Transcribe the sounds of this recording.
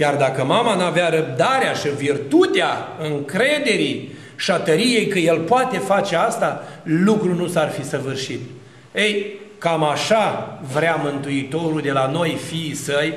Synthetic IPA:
jard̪akəmamanuaveaɾəp̚d̪aɾeaʃivirt̪ut̪eaɨŋkɾe̞d̪e̞ɾi | ʃat̪əɾije̞jkəje̞lpoat̪e̞fat͡ʃe̞ast̪alukɾunusarfisəvɨrʃit̪ | ejkamaʃavɾeamɨnt̪uit̪o̞ɾuld̪e̞lano̞jfiːsəj

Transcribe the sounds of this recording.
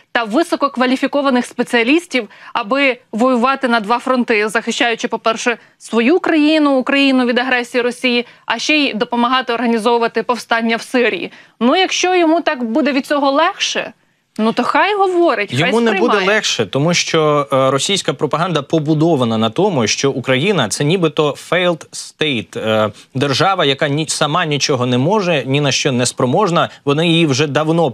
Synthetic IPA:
t̪ɐʋɪsɔkɔkʋɐlʲifʲikɔʋɐnɪxspet͡sʲiɐlʲisʲtʲiwɐbɪʋɔjʊʋɑt̪ɪnɐd̪ʋɑfɾɔnt̪ɪzɐxɪʃt͡ʃɑjʊt͡ʃɪpɔpɛrʃɛ | sʋɔjukɾɐjinʊːkɾɐjinʊʋʲid̪ɐɦɾɛsʲijiɾɔsʲijiɐʃt͡ʃɛd̪ɔpɔmɐɦɑt̪ɪɔrɦɐnʲizɔʋʊʋɐt̪ɪpɔwst̪ɑnʲːɐwsɪɾʲijḭnujɐkʃt͡ʃɔjɔmut̪ɑkbud̪ɛʋʲid̪̚t͡sʲɔɦɔlˠɛxʃɛ̰ | nut̪ɔxɑjɦɔʋɔɾɪtʲjxɔajmunɛbud̪ɛlˠɛxʃɛt̪ɔmuʃt͡ʃɔɾɔsʲijsʲkɐpɾɔpɐɦɑnd̪ɐpɔbʊd̪ɔʋɐnɐnɐt̪ɔmʊʃt͡ʃɔʔukɾɐjinɐt̪sɛnʲibɪt̪ɔfɛjlˠt̪st̪ɛjt̪ː | d̪erʒɑʋɐjɐkɑnʲisɐmɑnʲit͡ʃɔɦɔnɛmɔʒɛnʲinɐʃt͡ʃɔnɛspɾɔmɔʒnɐʋɔnɑjijiwʒɛd̪ɐwnɔ

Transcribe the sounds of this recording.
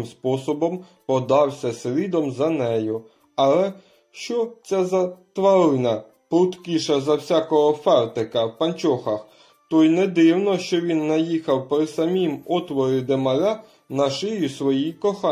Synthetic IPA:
mspɔsɔbɔm | pɔd̪ɑwsʲɐsɾʲid̪ɔmzɐnɛjʊ | ɐlˠɛ | ʃt͡ʃɔt͡sʲazɐt̪ʋɐlɪnɐ | pɾʊt̪kʲiʃɐzɐwsʲakɔɦɔfɛrt̪ɪkɐwpɐnʲt͡ʃɔxɐx | t̪ɔjnɛd̪ɪwnɔʃt͡ʃɔʋʲinːɐjixɐwpɾɪsɐmʲimɔt̪ʋɔɾɪd̪emɐlʲa | nɐʃɪjʊsʋɔjikɔxɑ

